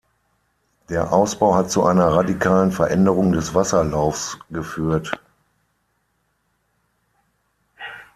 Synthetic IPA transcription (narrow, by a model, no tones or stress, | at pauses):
d̥eːɐʔaʊsb̥aʊhatt͡suʔaɪnɐʁadikʰaːlənfɛɐʔɛndəʁʊŋdɛsv̥asɐlaʊfsɡ̥əfyːɐt